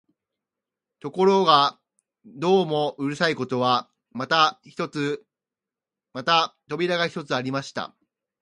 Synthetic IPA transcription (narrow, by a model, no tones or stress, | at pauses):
t̪o̞ko̞ɾo̞ɡa | d̪o̞ːmo̞ɯ̟ɾɯ̟saiko̞t̪o̞βa | mat̪ḁt̪ot͡sɨ | mat̪at̪o̞bʲiɾaɡaçʲi̥t̪o̞t͡sɨaɾʲimaɕi̥t̪a̰